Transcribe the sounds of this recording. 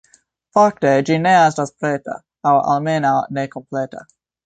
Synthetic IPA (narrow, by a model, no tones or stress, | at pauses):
fak̚ted͡ʒineas̬taspʰɾɛta̰ | awʔa̰lmenanekʰɔmpʰlɛta̰